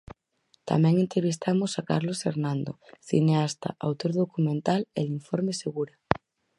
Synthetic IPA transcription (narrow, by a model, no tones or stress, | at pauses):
t̪a̰mɛ̃ŋent̪eβis̬t̪amosaka̰ɾlosfeɾnãnd̪o̰θḭneast̪a̰ʔawt̪oɾðokumẽnt̪aleliɱfoɾmeseɣuɾa